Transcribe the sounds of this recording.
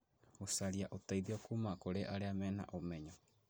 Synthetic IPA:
osaɾiaʔotaiðiɔkumakoɾeʔaɾeamɛːna̰ʔomɛɲɔ

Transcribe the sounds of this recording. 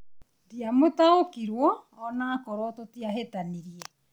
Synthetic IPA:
tiamotaokiɾwɔːnakoɾɔtotiaɦetaniɾiɛ

